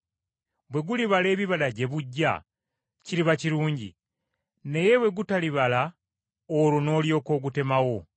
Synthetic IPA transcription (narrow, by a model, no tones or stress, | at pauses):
bwe̞ɡuliβale̞ːβiβalaɟe̞βuɟːa̰ | ciɾiβaciɾuːɲɟḭ | ne̞je̞βwe̞ɡutaliβala | oɾono̞ːljo̞ːko̞ːɡute̞mawo̞